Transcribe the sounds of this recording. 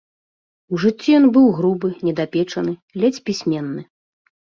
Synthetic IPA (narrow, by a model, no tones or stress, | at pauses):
uʐɨt͡sʲːijɔnbɨwɣɾubɨnʲɛd̪apʲɛt͡ʂɐnɨlʲɛt͡sʲpʲisʲmʲɛnːɨ